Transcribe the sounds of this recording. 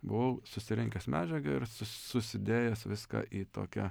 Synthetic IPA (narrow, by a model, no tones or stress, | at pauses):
bʊʋɐʊsʊsʲɪɾʲɪŋʲkʲɛsmʲæːd͡ʒʲɛɡɐɪɾsʊsʊsʲɪd̪ʲeːjɛsʋʲɪskɐ̰ʔiːt̪o̰ːkʲɛ